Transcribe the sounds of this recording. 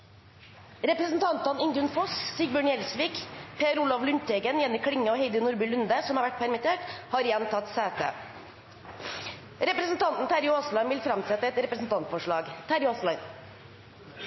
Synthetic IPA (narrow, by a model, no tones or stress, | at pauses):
ɾɛpɾəsn̩t̪ʰɑnt̪ɑnɪŋd̪ʉnfɔssiːɡ̚bœɳjɛlsʋiːkpʰeːɾulɑʋlʉnt̪ʰɛɡənjɛnːəkʰɽɪŋːəoːheɪd̪ənʊɾbʉlʉnd̪əsɔmhɑːʋæʈ̚pʰæɾmɪt̪ʰeːʈhɑːɾɪjɛnt̪ʰɑt̪sæːt̪ə̰ | ɾɛpɾəsnt̪ʰɑnt̪n̩t̪ʰæɾjʊoːslɑnʋɪlfɾɑmsɛt̪ːəɛt̪ɾɛpɾəsn̩t̪ɑnt̪fɔʂɭɑːɡt̪ʰæɾjoːslɑɪn